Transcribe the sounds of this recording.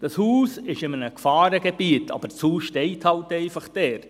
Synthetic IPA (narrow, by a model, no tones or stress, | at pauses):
d̥ɑshuːsɪʃɪmənəkfɑːɾəɡebiətʰɑ̰b̥əshuːsʃtɛɪthɑltɛɪfɑχd̥ɛːɾ